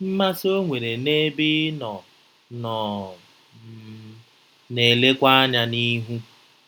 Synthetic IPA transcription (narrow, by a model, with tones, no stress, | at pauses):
m̩˦ma˦so˦ŋʷe˨ɾe˨ne˦bɪ˦nɔ˨ | nɔ˨˦ | ne˨le˦kʷa˦a˦ɲa˦ni˦ɦu˦